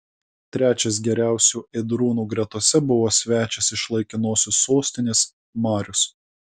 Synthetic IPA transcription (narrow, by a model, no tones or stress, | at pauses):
t̪ʲɾʲæːt͡ʃʲɛs̬ɡʲɛɾʲæˑʊsʲuːɛd̪ɾuːnuːɡɾʲɛt̪ɔsʲɛbʊʋoːsʲʋʲæːt͡ʃʲɛsɪʃlˠɐɪkʲɪnoːsʲʊsːoːsʲt̪ʲɪnʲeːs | mɑːɾʲʊs